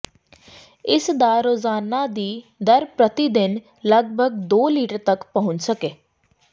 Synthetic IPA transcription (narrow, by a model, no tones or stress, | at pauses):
ɪsd̪aːɾoːzaːnaːd̪iːd̪əɾpɾət̪id̪ɪn | ləɡ̚bʱəɡd̪oːliːʈəɾt̪əkpəɦʊ̃ɲt͡ʃsəkeː